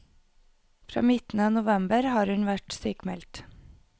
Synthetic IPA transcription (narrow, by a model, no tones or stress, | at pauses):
fɾɑ̰ːmɪt̪n̩ənʊʋɛmbəɾhɑːɾhʉnʋæʈsyːkmɛlt̪